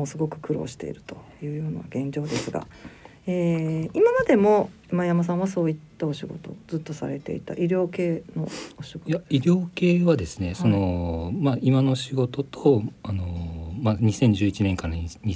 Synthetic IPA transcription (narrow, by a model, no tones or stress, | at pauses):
oːsɨɡo̞kɯ̟̥kɯ̟ɾo̞̰ːɕi̥t̪e̞̰ḭɾɯ̟̥t̪o̞̥jɯ̟ːjo̞ːnaβaɡẽ̞ɲ̟d͡ʑo̞ːd̪e̞sɨɡa̰ | eːimamad̪e̞mo̞ | majamas̬ãɰ̃βaso̞ːit̪ːao̞ɕiɡo̞̰t̪o̞̰zɨt̪ːo̞saɾe̞t̪e̞̰ḭt̪a̰ʔiɾʲo̞ːke̞ːno̞̰oɕiɡojaiɾʲo̞ːke̞ːβad̪e̞sɨ̥ne̞so̞no̞maʔimano̞ɕiɡo̞t̪o̞t̪ʰoano̞maɲ̟isẽ̞ɲ̟d͡ʑɨːit͡ɕinẽ̞ŋkaɾaiɲ̟i